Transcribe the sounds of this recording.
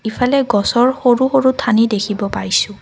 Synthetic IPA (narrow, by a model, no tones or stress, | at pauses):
ipʰalɛɡɔsɔɹxoɹuxoɹutʰanidekʰibɔpaɹisʊ̃